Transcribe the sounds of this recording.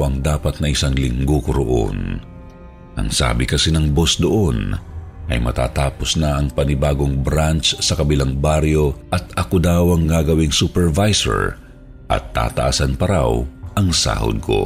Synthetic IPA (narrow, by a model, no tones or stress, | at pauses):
wɐŋd̪aːpɐt̪̚nɐʔɪsaŋlɪŋɡokoɾoʔo̰n | ʔɐ̰ŋsa̰ːbɪkɐsɛnɐŋbosd̪oʔo̞nʔɐ̰jmɐt̪a̰ːt̪aːposnɐɐŋpɐnɪbaːɡo̞ŋbɾant͡ʃsɐkɐbɪlaŋbaɾjo̞ʔɐt̪ɐkod̪awɐŋɡaːɡɐwiŋsupɛɹvajsɛ̰ɹ | ʔɐ̰t̪ːa̰ːt̪ɐʔasanpɐɾa̰wʔɐŋsa̰ːho̰d̪̚kʰo̰